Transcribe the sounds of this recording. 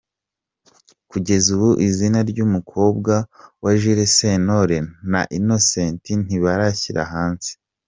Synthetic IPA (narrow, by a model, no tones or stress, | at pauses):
kuɟe̞zuβuʔizinaɾɟuːmukʰo̞ːbɡawaʒiɾeseno̞ɾena̰ʔino̞seːntin̥iβaɾaçiɾa̰ɦaːnsi̥